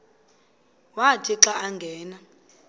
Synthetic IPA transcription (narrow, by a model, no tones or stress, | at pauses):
watʼiǁaːŋɡʱɛːna